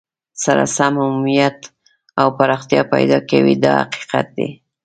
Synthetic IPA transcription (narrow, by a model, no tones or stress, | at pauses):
saɾa̰samhamumijat̪ | awpaɾɑxt̪jɑpajd̪ɑkawid̪ɑha̰qi̥qat̪̚d̪e